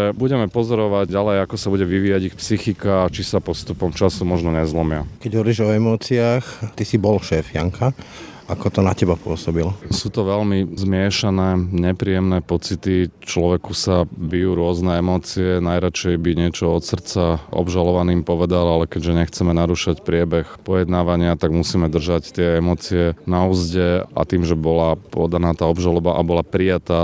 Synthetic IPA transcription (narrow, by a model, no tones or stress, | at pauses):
ɛbuɟɛmɛpɔzɔɾɔʋaɟɟalɛjakɔsabuɟɛʋiʋiːjaɟixpsixikaːt͡ʃisapɔst̪upɔmt͡ʃasumɔʒnɔɲɛzlɔmɪakɛɟɦɔʋɔɾiʒɔɛmɔːt͡siaxt̪isibɔlʃɛːfja̰ŋkʰa | akɔt̪ɔnacɛbapʊɔsɔbilsuːt̪ɔʋɛlmizmɪɛʃanɛːɲɛpɾiːjɛmnɛːpɔt͡sit̪it͡ʃlɔʋɛkusabijuːɾʊɔznɛɛmɔːt͡siɛnajɾat͡ʃɛjbiɲɪɛt͡ʃɔɔt̪sr̩t͡saʔɔ̰bʒalɔʋaniːmpɔʋɛd̪alalɛkɛɟʒɛɲɛxt͡sɛmɛnaɾuʃacpɾɪɛbɛxpɔjɛd̪naːʋaɲɪat̪aɡmusiːmɛd̪r̩ʒact̪ɪɛɛmɔːt͡siɛnauzɟɛa̰t̪iːmʒɛbɔlapɔd̪anaːt̪aːɔbʒalɔbaʔabɔlapɾijat̪aː